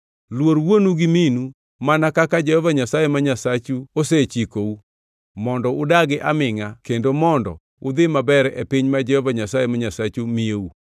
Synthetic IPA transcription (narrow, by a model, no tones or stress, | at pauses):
lwoɾwonuɡiminu | manakakad͡ʒɛhɔvaɲasajɛmaɲasat͡ʃuoset͡ʃikou | mɔndɔʊdaɡɪʔa̰mɪŋakendomɔndɔ̰ | ʊd̪ɪmabɛɾɛepiɲmad͡ʒɛhɔvaɲasajɛmaɲasat͡ʃumijou